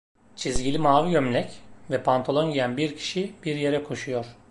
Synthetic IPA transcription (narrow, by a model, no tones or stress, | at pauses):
t͡ʃʰizɟilʲimaːvijømlʲɛcvɛpʰant̪ʰolˠonɟijænbiɾcʰi̥ʃib̥iɾje̞ɾɛkʰo̞ʃujoɾ̥